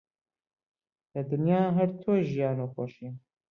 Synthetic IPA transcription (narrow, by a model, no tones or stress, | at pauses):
ləd̪ɨnjaːɦəɾt̪ʰoːʒijaːnoːkʷɔʃi